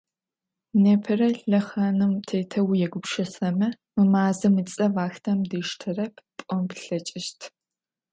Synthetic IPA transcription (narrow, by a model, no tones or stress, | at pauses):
neːpʰɨrɐɬɐχaːnɨmtʰeːtʰɐwjɛɡʷʊpʃɐsɐmɐ | mɨmaːzɨmɨt͡sʼɐvaːxtʰɐmdɨʃtʰɨrɐpʰpʷʼɔmpɬɐt͡ʃʼɪʃtʰ